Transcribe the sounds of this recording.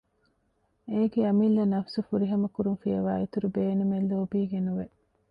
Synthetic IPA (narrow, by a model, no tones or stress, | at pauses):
eːɡeɐmilːɐnɐfsufuɾiɦɐmɐkuɾunfijɐʋaːit̪uɾubeːnumelːoːbiːɡenuʋe